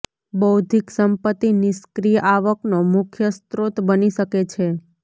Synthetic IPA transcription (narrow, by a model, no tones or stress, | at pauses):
bəwd̪ʱiksəmpət̪ːinɪskɾijəʔaʋəknomukʰjəst̪ɾot̪bəniʃəket͡ʃʰe